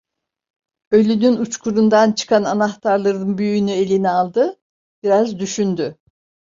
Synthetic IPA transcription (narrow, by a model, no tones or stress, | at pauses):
øjlʲynynut͡ʃkʰuɾund̪ant͡ʃʰɯ̥kʰananaxt̪ʰaɾlˠaɾɯnbyjynye̞lʲinialˠd̪ɯ | b̥iɾazd̪yʃynd̪y